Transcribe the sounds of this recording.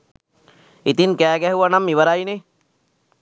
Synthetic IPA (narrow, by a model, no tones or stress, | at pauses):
it̪iŋkæːɡɛɦuʋanamːiʋəɾajne